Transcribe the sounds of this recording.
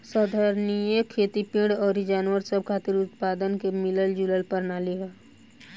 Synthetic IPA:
səd̪ʱəɾnijekʰeːt̪ipĩɽɔːɾid͡ʒaːnwəɾsəb̚kʰaːt̪iɾʊt̪paːd̪ənkemɪləld͡ʒuləlpəɾnaːliɦɛː

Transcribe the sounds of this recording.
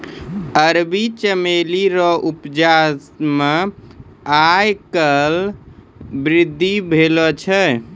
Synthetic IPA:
əɾbit͡ʃəmeliɾɔʔupd͡ʒasme | ajkəl | bɾid̪ʱːibʱelɔt͡ʃʰɛ

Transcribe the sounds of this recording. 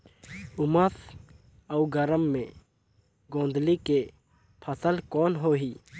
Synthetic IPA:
ʊməs | əuɡəɾəmːẽ | ɡõːnd̪like | pʰəsəlkɔːnɦoːɦiː

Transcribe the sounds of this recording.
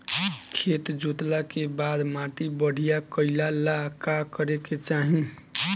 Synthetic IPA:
kʰet̪d͡ʒut̪lakebad̪maʈibəɽ̤ijakəɪlalakakəɾeket͡ʃaɦĩ

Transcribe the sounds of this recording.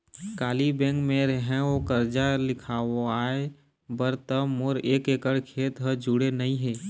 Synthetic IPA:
kaːlibɛ̃ːkmẽɾəɦɛ̃okəɾd͡ʒalɪkʰaːoaːe | bəɾt̪əmoɾeːkeːkəɽkʰeːt̪ɦəd͡ʒuɽenəĩɦeː

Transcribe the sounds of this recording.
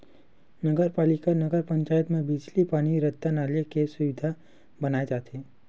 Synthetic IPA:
nɐɡəɾpaːlɪkanɐɡəɾpə̃ɲt͡ʃaːjət̪mẽbiːd͡ʒlipaːɽ̃iɾɐt̪ːanaːlekesʊʋɪd̪ʱa | bɐnaːed͡ʒaːt̪eː

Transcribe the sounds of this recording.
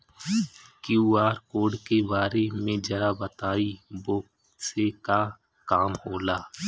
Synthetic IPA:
kjuːaːɾkoːɖkebaːɾemẽd͡ʒɐɾabət̪aːiboːk | seka | kaːmhoːlaː

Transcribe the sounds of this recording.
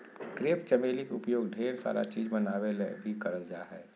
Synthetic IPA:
kɾeːpt͡ʃɐmeːlikʊpjoːɡɖʱeːɾsa̰ːɾʔa̰t͡ʃiːd͡ʒmɐnaːʋelebʱikɐɾəld͡ʒa̰ːɦɛː

